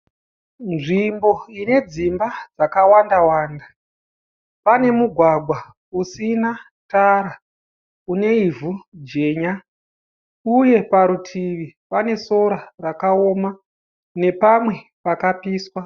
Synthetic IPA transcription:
nʐimbo̞ine̞d͡zimbad͡zakawandawaːnda | pane̞muɡʱwaɡʱwa | usina | taɾa | une̞ivud͡ʒe̞ːɲa | uje̞paɾutʰiʋipane̞so̞ɾarakao̞ːma | ne̞pamwe̞ | pakapiːswa

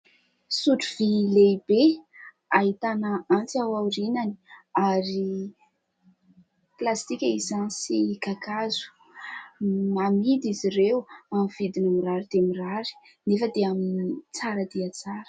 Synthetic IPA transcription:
suʈ͡ʂuvilebe | aɦit̪anaant͡siawaɾinani̥aɾi | plast̪ikʲaizansikakazu̥ | namid̪iziɾewamiv̥id̪inamiraɾid̪̥emiraɾi̥ | nefəd̪eamint͡saɾəd̪iat͡saɾə̥

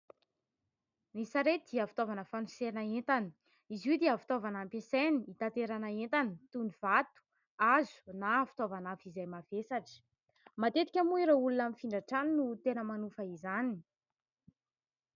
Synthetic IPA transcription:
nisaɾed̪iəfi̥t̪ovanəfanusenaent̪ani̥ | izud̪eafi̥t̪ovanampeseniit̪at̪eɾanaent̪anit̪univ̥at̪u̥ | azu̥nafi̥t̪ovanafizajmavesaʈ͡ʂə̥ | mat̪et̪i̥kʲamuiɾoulunamifiɳɖ͡ʐaʈ͡ʂaninut̪enəmanufəizani

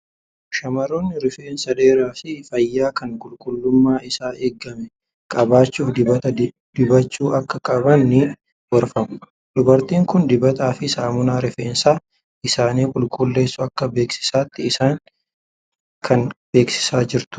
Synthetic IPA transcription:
ʃɐmɐɾoːnːɪɾɪfe̞ːnsɐᶑe̞ːɾaːfɪfɐjːaːkɐŋkʼʊlkʼʊlːʊmːaːɪsaːʔeːɡːɐmɛ | kʼɐbaːt͡ʃːuːfd̪ɪɐt̪ɐ | d̪̥ɪbɐt͡ʃːuːʔɐkːɐkʼɐbɐnːɪ | wɐɾfɐmʊ̥ | d̪ʊbɐɾt̪iːŋkʊnd̪ɪbɐt̪aːfɪsaːmʊnaːɾɪfeːnsaː | ɪsaːniːkʼʊlkʼʊlːe̞ːsːʊɐkːɐbe̞ːksɪ̥saːt̪ːɪɪsaːŋ | kʰɐnbe̞ːksɪ̥saːd͡ʒɪɾt̪ʊ̥

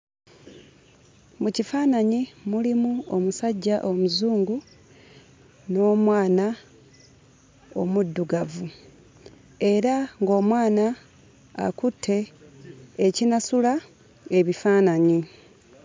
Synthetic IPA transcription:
mucifaːnaɲimulimuo̞musaɟːaʔo̞muzuːŋɡu | no̞ːmwaːna | o̞̰mudːuɡavu | e̞ɾaŋɡo̞ːmwaːna̰ː | kutʰːe̞ː | cinasula | e̞βifaːnaɲi

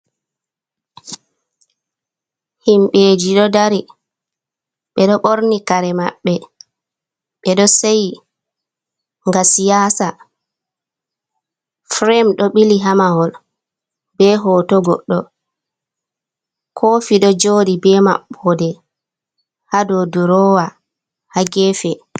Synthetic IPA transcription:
himɓeːd͡ʒiɗɔdaɾi | ɓɛɗɔɓoɾnikaɾɛma̰ɓːɛ | ɓɛɗɔsej | ŋɡasijaːsa | fɾɛmɗɔɓiliɦamahɔl | bɛɦɔtɔɡɔ̰ɗːɔ | kʰɔfiɗɔd͡ʒoːɗibɛma̰ɓːɔdɛ | hadɔduɾɔːwa | haɡɛːfɛ

